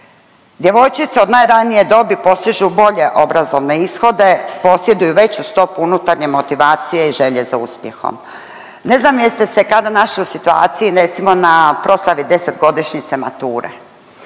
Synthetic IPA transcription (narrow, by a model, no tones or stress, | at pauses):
d̪ʲje̞ʋo̞jt͡ʃit̪seod̪naːjɾanije̞d̪o̞bipo̞st̪iʒubo̞ʎe̞ʔo̞bɾazo̞ʋne̞isxo̞d̪e̞po̞sje̞d̪ujuʋe̞t͡ɕust̪o̞puunut̪aɾɲe̞mo̞t̪iʋaːt̪sijeiʒe̞ʎe̞zauspjḛxo̞̰m | ne̞znaːmjest̪esekad̪anaʃliusit̪ua̰ːt̪sijiɾet̪simo̞napɾo̞slˠaʋid̪e̞set̪ɡo̞d̪iʃɲit̪sema̰t̪uːɾḛ